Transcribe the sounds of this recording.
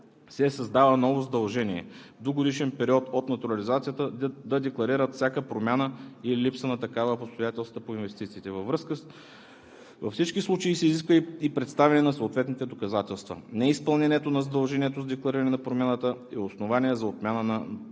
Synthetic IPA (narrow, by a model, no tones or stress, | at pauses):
sɛsɐzd̪avənɔvozɐd̪ɐlˠʒɛniɛ̰d̪oɡod̪iʃɛnpɛɾiɔt̪ot̪nɐt̪uɾɐlizat̪sijət̪əd̪ɐd̪ɛklˠɐɾiɾət̪fsʲakəpɾomʲjanəililipsənɐt̪ɐkavəpost̪ojat̪ɛlˠst̪vəpoinvɛst̪it̪siːt̪ɛvɐvɾɤskə | vɐfsit͡ʃkislˠut͡ʃəisɛiziskvəipɾɛt̪st̪avɛnɛnɐsoot̪vɛt̪nit̪ɛd̪okɐzat̪ɛlˠst̪və̰nɛispɐlˠnɛnɛt̪onɐzɐd̪ɐlˠʒɛniɛt̪ozɐd̪ɛklˠɐɾiɾənɛnɐpɾomʲanət̪əɛosnovaniɛzɐot̪mʲjanənɐ